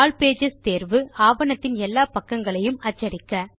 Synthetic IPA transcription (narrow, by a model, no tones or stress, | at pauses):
lpeːd͡ʒɐst̪eːɾʋɯaːʋɐnɐt̪ːɪnɛlːaːpɐkːɐŋɡɐɭɐjɯmɐt͡ʃːɐɽɪkːɐ